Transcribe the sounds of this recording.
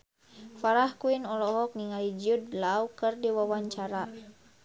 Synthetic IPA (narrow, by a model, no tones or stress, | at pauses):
faɾahkuinɔlɔɦɔk̚niŋalid͡ʒudlaukɨrdiwawaɲt͡ʃaɾa